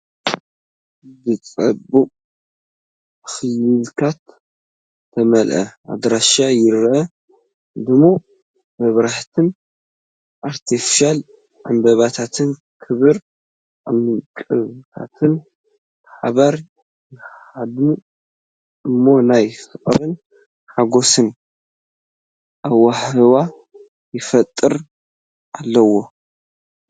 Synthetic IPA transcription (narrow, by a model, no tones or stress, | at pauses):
zɨt͡sʼɐbukʼ | xɨjilkʰat̪ | tʰːɐmɐlʔɐ̰ʔa̰d̪ɾaʃajɪɾʔɐ | d̪ɨmːo | mɐβɾaħt̪ʰɨn | ʔaɾt̪ʰifi̥ʃal | ʕa̰mbɐβat̪ʰat̪ʰɨn | kʰɨβɨɾ | ʔamɨkʼɨβt̪ʰa̰t̪ʰɨn | ħaβɐɾ | jɪad̪u | ʔɨmːo̞najsɨχʼɾɨn | ħaɡo̞sɨn | ʔaβwːaħɨβa | jɪfɐt̪ʼːɨɾ | ʔalːɐwo̞